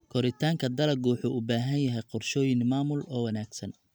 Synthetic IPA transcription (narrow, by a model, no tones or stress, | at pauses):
kʰɔɾɪt̪ʰaːŋkʰɐd̪ɐlɐɡuːħʊʔʊbaːɦɐnjɐɦɛjqɔrʃɔːjɪnmaːmʊlɔːwɐnaːɡsɐn